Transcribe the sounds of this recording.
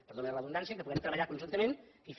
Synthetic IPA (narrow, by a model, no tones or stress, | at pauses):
pəɾðoneləβund̪ansijəkəpuɣɛmt̪ɾəβəʎakunʒunt̪əmenif